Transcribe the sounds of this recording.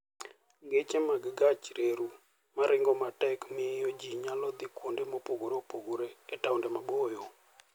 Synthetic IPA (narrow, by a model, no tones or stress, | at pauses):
ŋɡet͡ʃɛmaɡɡat͡ʃɾeɾu | maɾɪŋɡɔmatɛkmɪjod͡ʒiɲalɔd̪ɪkwondemopoɡoɾopoɡoɾeɛtaʊndɛmabojo